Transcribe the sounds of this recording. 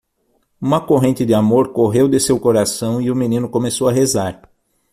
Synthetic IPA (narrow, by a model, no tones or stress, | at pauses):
ũmɐkoɦẽnt͡ʃ̪ɪd̪ɪamoɾkoɦewd̪ɪsewkoɾasɐ̃w̃iʊmĩnĩnʊkõmesowɐɦezaɾ